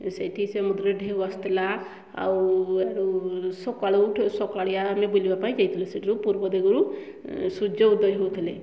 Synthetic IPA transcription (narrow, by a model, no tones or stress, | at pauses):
sejʈʰisemud̪ɾeɖʱeəst̪la | a̰weɾusɔkaɽwʈʰsɔkaɽijamebulibapaĩd͡ʒajt̪ʰleseʈɾupuɾbɔd̪eɡɾu | sud͡ʒod̪əjɦot̪ʰle